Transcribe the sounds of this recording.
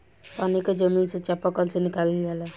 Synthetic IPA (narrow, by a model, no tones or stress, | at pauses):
paniked͡ʒəminset͡ʃapakəlsenikaliɡɛla